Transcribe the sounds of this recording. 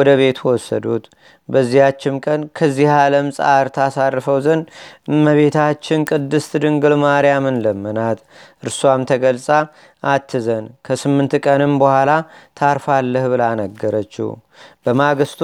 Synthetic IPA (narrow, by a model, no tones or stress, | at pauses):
ɔd̪əβe̞t̪wɔsːə̰d̪ṵt̪ | bəzːihat͡ʃːɪmkʼənkʰəzːihaləmsʼaɾt̪ʰasarːfəwzənɨmːəβe̞t̪ʰat͡ʃːɪnkʼɨd̪ːɨst̪ɨd̪ɨŋɡɨlmaɾjamɨnləmːənat̪ʔɨɾswamt̪ʰəɡəlsʼa | ʔat̪ʰːɨzənkʰəsɨmːɨnt̪kʼənɨmbəhʷalat̪ʰaɾfalːəhbɨlanəɡːəɾət͡ʃːɪ̰h | bəmaɡɨst̪